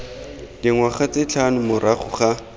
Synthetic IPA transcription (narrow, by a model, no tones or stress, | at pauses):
dɪŋwaχat͡sɪt͡ɬʰanʊmʊraχʊ̰χa